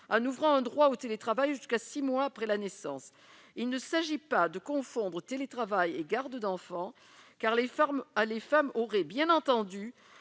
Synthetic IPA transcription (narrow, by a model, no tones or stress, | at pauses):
ɑ̃nuvʁɑ̃ɛ̃d̪ʁwaot̪elet̪χavajʒyskasimwaːpχɛlanesɑ̰̃s | ilnəsaʒipad̪əkɔ̃fɔ̃d̪ʁət̪elet̪χavajeɡaʁd̪əd̪ɑ̃fɑ̃ | kaʁlelefamɔʁɛbjɛ̃nɑ̃t̪ɑ̃d̪y